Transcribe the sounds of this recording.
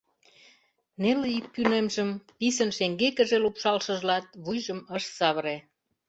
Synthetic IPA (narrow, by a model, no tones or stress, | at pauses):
neleik̚pynemʒəmpisənʃeŋɡekə̆ʒelupʃɑlʃə̆ʒlɑt̪̚βujʒəməʃsɑβəɾe